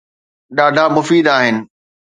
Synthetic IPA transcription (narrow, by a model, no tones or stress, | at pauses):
ɗaːɖʱamʊfiːd̪aːɦɪnɪ̆